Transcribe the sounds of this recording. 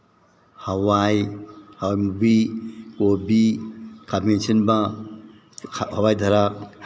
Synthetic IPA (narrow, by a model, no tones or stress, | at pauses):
hawajhawajmubikobikʰamensinbɐ | hawajdʱaɾak̚